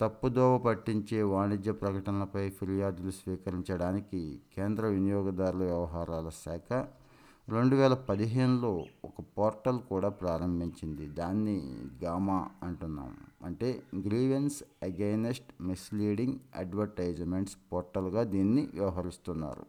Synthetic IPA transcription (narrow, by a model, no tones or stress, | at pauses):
t̪ɐpːud̪ɔːʋɐpɐʈːiɲt͡ʃe̞ːʋaːnid͡ʒ̪jɐpɾɐkɐʈɐnɐlɐpɐjpʰilijaːd̪ulusʋiːkɐɾiɲt͡ʃɐɽaːnikikeːnd̪ɾɐʋinijɔːɡɐd̪aːɾulɐʋjɐʋɐɦaːɾaːlɐsɛːkʰɐ | ɾe̞ɳɖuʋɛːlɐpɐd̪iɦeːnuloːɔkɐpoːɾʈɐlkuːɽaːpɾaːɾɐmbʱiɲt͡ʃind̪id̪aːnːiɡaːmaːɐɳʈunːa̰ːmɐɳʈe̞ːɡɾiːʋensɐɡeːnesʈmisliːɽiŋɡɐ̰ɖʋɐɾʈɐjd͡ʒme̞ɳʈspoːɾʈɐlɡaːd̪iːnːiʋjɐʋɐɦɐɾist̪unːa̰ːɾṵ